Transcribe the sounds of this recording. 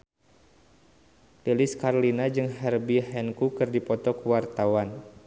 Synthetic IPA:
leliskarlinad͡ʒɨŋɦɛrbiɦɛnkukɨrdipɔt̪ɔkəwart̪awan

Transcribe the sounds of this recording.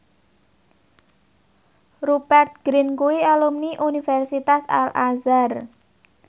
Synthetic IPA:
rubɛrt̪̚ɡ̥ɾinkuialumniʔunifɛrsit̪asa̰lʔazar

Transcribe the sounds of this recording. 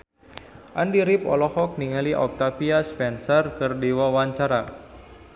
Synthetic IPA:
ʔandiɾipɔ̰lɔhɔk̚niŋaliʔɔk̚t̪apiaspɛnsɔrkərdiwawaɲt͡ʃaɾa

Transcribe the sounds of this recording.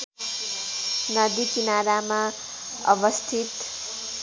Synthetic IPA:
nʌd̪ikinaɾama | ʌ̰bʌst̪ʰit̪

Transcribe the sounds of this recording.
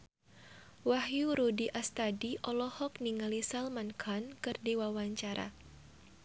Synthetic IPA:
wahjuɾudiʔast̪adiʔɔlɔhɔkniŋalisalmankʰankɨrdiwawaɲt͡ʃaɾʔa̰

